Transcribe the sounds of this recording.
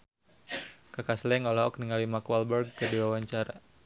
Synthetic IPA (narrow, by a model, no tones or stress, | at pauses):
kakaslɛŋɔlɔɔkniŋalimakwalbɛrɡ̚kədiwawaɲt͡ʃaɾa